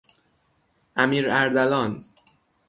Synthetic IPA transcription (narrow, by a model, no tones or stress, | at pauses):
ʔæmiːɾæɾd̪ælɒːn